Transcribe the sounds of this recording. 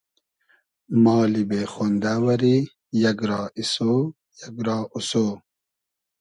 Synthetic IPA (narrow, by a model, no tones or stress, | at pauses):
mɑːlibexoːnd̪aːwɐɾi | jɐɡɾɑːisoː | jɐɡɾɑːʔusoː